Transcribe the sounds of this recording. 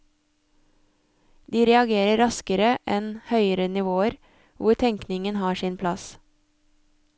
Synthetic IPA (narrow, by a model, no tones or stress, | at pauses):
d̪iːɾɛɑɡeːɾəɾɑskəɾəʔɛnhœʏəɾənɪʋoːəɾ | ʋʊɾt̪ʰɛŋknɪŋənhɑːʃɪnpʰlɑs